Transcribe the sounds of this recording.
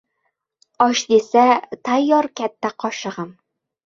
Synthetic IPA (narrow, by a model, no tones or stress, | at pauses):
ɒʃd̪isæt̪æjːɒɾkæt̪ːæqɒɕɤ̆ʁɤm